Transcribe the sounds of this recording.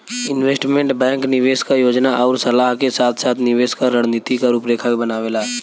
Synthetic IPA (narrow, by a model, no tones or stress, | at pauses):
ɪnʋeːsʈmẽɳʈbɛ̃ːŋknɪʋeːskajoːd͡ʒnaʔɔːɾsɐlaːɦkesaːt̪ʰsaːt̪ʰnɪʋeːskaɾəɽ̤niːt̪ikaɾuːpɾeːkʰaibənaːʋeːlaː